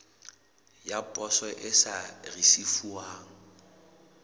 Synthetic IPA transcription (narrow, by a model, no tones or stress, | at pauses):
japʼɔsɔʔɪsarisifuaːŋ̩